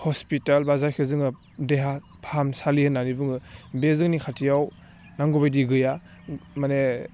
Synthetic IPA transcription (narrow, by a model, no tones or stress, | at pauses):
hɔspitalbazajkʰɯzɯŋɯ | deɦa | pʰaamsalihɯnːanibɯŋɯbezɯŋnikʰatʰijaw | naŋɡɔbajdiɡɯja | mane